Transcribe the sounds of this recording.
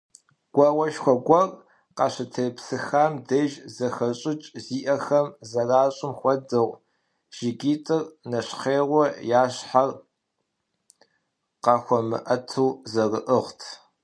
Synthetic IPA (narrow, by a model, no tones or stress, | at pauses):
ɡ̥ʷɐwɐʃxʷɔɡʷɔr | qɑɕɪtʰɐpsɨxaːmdɐʒzɐxɐɕʼɪt͡ʃʼziːʔɐxɐmzɐraːɕʼɪmxʷɔdɨʁʷ | ʒ̥ɪɡiːtʼɨrnɐɕχeːʁʷɔjaːɕħar | qɑːxʷɔmɨ̰ʔɐtʰuwzɐrɨʔəʁʷtʰ